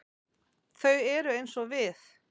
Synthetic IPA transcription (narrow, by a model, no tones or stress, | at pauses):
θœɥɛɾʏejnsɔvɪθ